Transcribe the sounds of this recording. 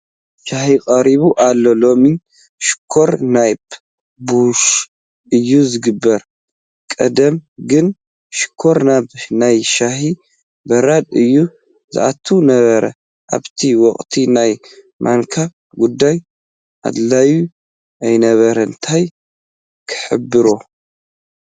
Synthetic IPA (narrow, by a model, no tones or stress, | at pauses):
ʃahikʼɐɾiβuʔalːo̞lo̞mi | ʃɪ̥kʰːo̞ɾnajb | buʃ | ʔɨjːuzɨɡɨbːɐɾ | kʼɐd̪ɐmɡɨn | ʃɪ̥kʰːo̞ɾnaβnajʃahi | bɐɾad̪ɨjːu | zɨ̰ʔat̪ʰunɐβɐɾɐ̰ | ʔa̰βt̪ʰiwɔχʼt̪ʰinaj | mʔa̰ŋkʰa | ɡud̪ːaj | ʔa̰d̪laju | ʔajnɐβɐɾɐɨnt̪ʰaj | kʰɨ̥ħɨ̰bːɨɾo